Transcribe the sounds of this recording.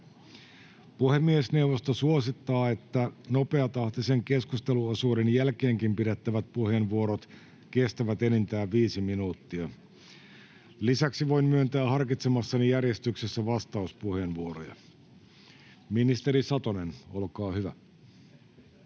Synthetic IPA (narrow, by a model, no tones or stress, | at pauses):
puhe̞mːiesne̞wʋost̪osuosit̪ːɑːe̞t̪ːæno̞pe̞ɑt̪ɑht̪ise̞ŋke̞skust̪e̞luosuːdenjælkeːŋkimpiɾet̪ːæʋæt̪̚puhe̞ːnʋuo̞ɾot̪ | ke̞st̪æʋæt̪enint̪æːʋʋiːsiminuːt̪ːiɑ | lisæksiʋo̞jmmyønt̪æːhɑrkit̪semɑsːɑnijærje̞st̪yksesːæʋɑst̪ɑuspuhe̞ːnʋuoɾojɑ̰ | minist̪e̞ɾisɑt̪one̞no̞lkɑːhyʋæ